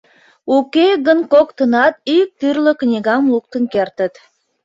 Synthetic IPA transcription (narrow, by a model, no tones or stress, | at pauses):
ukeɣənkokt̪ənɑt̪yk̚t̪yrlə̆knʲiɣɑmluk̚t̪ənkert̪ə̆t̪